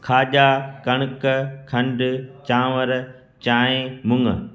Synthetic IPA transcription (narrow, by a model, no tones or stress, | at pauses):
kʰaːʄaːkɐɽ̃kəkʰɐ̃ɳɖt͡ɕãːʋəɾ | t͡ɕaːẽmʊ̃ŋə